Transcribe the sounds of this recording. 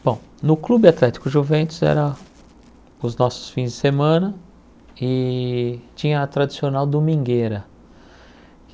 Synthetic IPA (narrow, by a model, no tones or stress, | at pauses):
b̥õw̃nʊklubɪat̪lɛt͡ʃɪ̥kʊʒuvẽnt̪ʊzɛ̰ɾɐ | ʊznɔsʊ̥sfĩzd͡ʒɪsemɐ̃nɐ | ɪ | t͡ʃĩɲɐːt̪ɾad͡ʒisionawd̪omĩŋɡeɾɐ